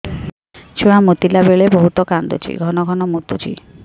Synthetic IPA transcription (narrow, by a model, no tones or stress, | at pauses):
t͡ʃʰuɽ̃amut̪ilabeɭebɔɦut̪ɔkand̪o̰t͡ʃʰḭɡʱɔnɔɡʱɔnɔmut̪ut͡ʃʰḭ